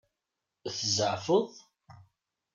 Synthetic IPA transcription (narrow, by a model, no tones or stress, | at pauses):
θəzəʕfəðˤ